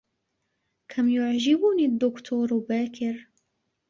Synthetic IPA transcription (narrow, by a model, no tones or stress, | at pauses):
kʰamjʊʕʒɪbʊnid̪ːʊkt̪ʰuːɾbaːkɪɾ